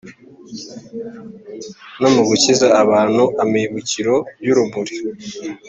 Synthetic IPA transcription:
nomuɡucizaːβaːn̤uʔamiβuciɾo̞juɾumuɾi

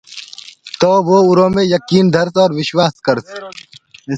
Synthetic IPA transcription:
t̪oːʋoːʊɾõːmẽjɐkiːnd̪ʱɐɾsɔːɾʋɪʃwaːskɐɾs

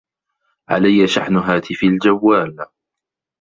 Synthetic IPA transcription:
ʕa̰lajːaʃaħnʊɦaːt̪ʰɪfald͡ʒawːaːl

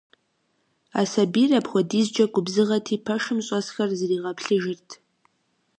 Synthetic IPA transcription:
aːsɐbiːrɐpxʷɔdiːzd͡ʒɐɡʷʊbzɨʁɐtʰiːpʰɐʂɨmɕʼɔsxɐrzɨriːʁɐpʰɬɨʒɪrtʰ

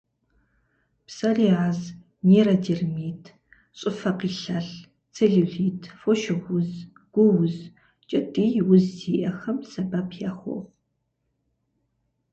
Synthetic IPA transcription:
psɐriːʕaz | meːrɐdirmiːtʰ | ɕʼɨfɐqiːɬɐɬ | t͡sʰeɮuɮiːtʰfoʃɪʁʷʊz | ɡ̥ʷʊwʊz | t͡ʃʼɐtʼiːjwʊziːʔɐxɐmsɐbaːpʰjaːχʷɔ̰ʁ

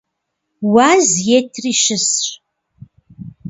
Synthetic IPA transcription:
waːzjetʰriːʃɨsɕ

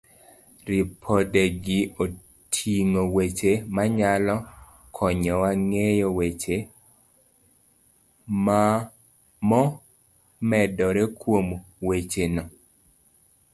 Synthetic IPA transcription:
ɾipʰɔdeɡɪo | tʰiŋowet͡ʃemaɲalɔ | kʰɔɲɔwaŋejɔwet͡ʃe | ma | mɔ | mɛdɔɾɛkwom | wet͡ʃenɔ

